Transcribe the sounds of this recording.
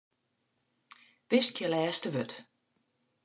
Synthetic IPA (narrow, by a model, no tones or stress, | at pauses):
ʋɪskjəlɛːstəʋøt